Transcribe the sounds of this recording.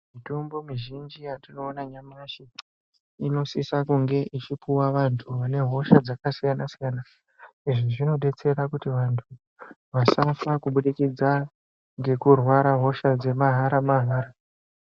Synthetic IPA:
mito̞mbo̞miʒind͡ʒijatino̞ːnaɲamaʃi | ino̞sisakuŋɡe̞ʔit͡ʃipuwaʋantʰuʋane̞ɦo̞ʃad͡zakasijanasijana | iʐiʐino̞ɗe̞t͡se̞ɾakutiʋantʰu | ʋasafakuɓuɗikid͡za | ŋɡe̞kurwaɾaɦo̞ʃad͡ze̞maɦaɾamaɦaːɾa

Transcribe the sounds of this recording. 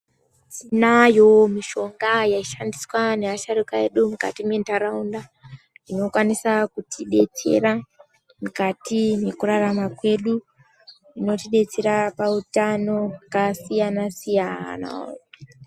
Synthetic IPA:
tinajo̞miʃo̞ŋɡajaiʃandiswaneaʃaɾukae̞ɗumuka̰timwentaɾaunda | ino̞kwanisakutiɗe̞t͡se̞̰ra | mukatine̞kuraramakwe̞ɗu | ino̞tiɗe̞t͡se̞ɾapautano̞kasijanasijana̰

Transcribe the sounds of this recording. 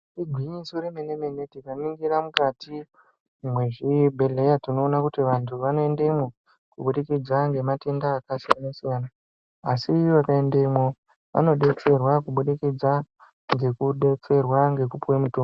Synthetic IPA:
tiɡʱwiɲisoɾemene̞me̞ne̞tikaniŋɡiɾamukati | ʐimwe̞ʐibʱele̞jatino̞ːnakutiʋantʰuʋano̞e̞ndemwo | kuɓuɗikid͡zaŋɡe̞mate̞ndaːkasijanasijanaː | sijoʋakaendemo | ʋa̰no̞ɗe̞t͡se̞rwakuɓuɗikid͡za | ŋɡe̞kuɗe̞t͡se̞rwaŋɡe̞kupuwemutoːm

